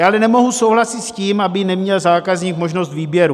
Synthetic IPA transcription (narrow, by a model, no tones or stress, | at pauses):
aːʔalɛnɛmo̞ɦusowɦlasɪt̪sciːmabɪnɛmɲɛlzaːkazɲiːkmo̞ʒnost̪viːbjɛɾu